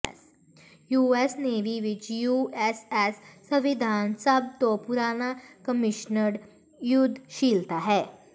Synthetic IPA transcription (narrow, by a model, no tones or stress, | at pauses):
juːesneːʋiʋɪt͡ʃjuːesɛsː | əʋɪd̪ʱaːnsəb̚t̪opʊɾaːnakəmɪʃnəɾ | jʊd̪ʱːʃiːlt̪aɦɛː